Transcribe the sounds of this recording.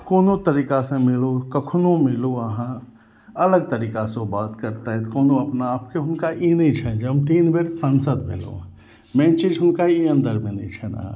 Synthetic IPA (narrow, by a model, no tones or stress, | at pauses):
koːnot̪ɐɾiːkasẽmɪlokɐkʰnomɪloɐɦã | ɐləɡ̚t̪ɐɾiːkasobaːt̪kɐɾt̪aɦɛt̪koːnoɐpnaːp̚keɦʊnkaʔinɦĩt͡ʃʰɐnd͡ʒɐmt̪iːnbeɾsənsəd̪mɪ̰lo̰ | mɛ̃ːnt͡ʃid͡ʒɦʊnkaiə̃nd̪əɾmẽnɐĩt͡ʃʰɐnã̰